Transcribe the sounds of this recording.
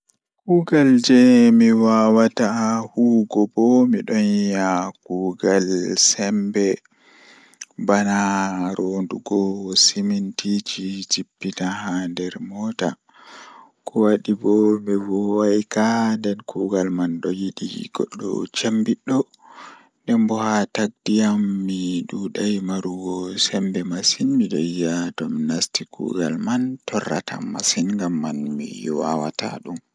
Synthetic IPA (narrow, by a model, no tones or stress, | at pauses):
kuːɡald͡ʒɛmiwawatahuːɡɔbɔmiɗɔnjijakuːɡalsɛmbɛ | banaɾʔonduɡɔsimintit͡ʃit͡ʃipːitahandɛɾmɔːta̰ | kʰɔwaɗibɔbɛvɔwajkadɛnkʰuɡalmanɗɔjiɗḭɡ̥ɔ̰ɗːɔ̰t͡ʃambiɗːɔ | ndɛmbɔhataɡ̚dijamːiɗuɗajmaɾuɡɔsɛmbɛmasinmiɗɔ̰jatɔmnastikʰṵɡalmantɔrːa̰tʰa̰masinŋɡamːanmḭwa̰wa̰ta̰ɗum